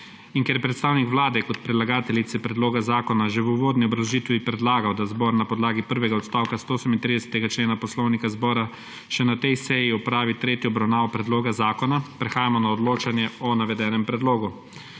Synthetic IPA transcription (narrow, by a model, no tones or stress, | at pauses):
iŋkɛɾjɛpɾɛt̪st̪aːwnikʋlaːd̪ɛkɔt̪pɾɛlaɡaːt̪ɛlit̪sɛpɾɛd̪loːɡazaːkɔnaʒɛʋuʋoːd̪niɔbɾawʒiːt̪ʋipɾɛd̪laːɡawd̪azbɔːɾnapɔd̪laːɡipəɾʋɛɡaɔt̪st̪aːwkast̪oosəmint̪ɾid̪ɛsɛ̥t̪ɛɡat͡ʃleːnapɔslɔwnikazbɔːɾa | ʃɛnat̪ɛjsɛjiɔpɾaːʋit̪ɾeːt̪jiɔbɾawnaːʋɔpɾɛd̪loːɡazaːkɔnapɾɛxaːjamɔnaɔd̪loːt͡ʃanjɛɔnaʋɛd̪ɛːnɛmpɾɛd̪loːɡu